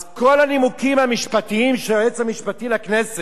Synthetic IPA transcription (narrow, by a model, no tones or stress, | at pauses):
zko̞lanimukimhamiʃpatiimʃeoet͡samiʃpatilaknese